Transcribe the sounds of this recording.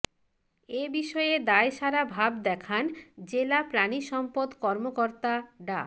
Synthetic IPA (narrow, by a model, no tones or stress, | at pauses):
ebiʃɔeed̪aeʃaɾabʱabd̪ɛkʰand͡ʑelapɾaniʃɔmpod̪kɔɾmokoɾt̪aɖa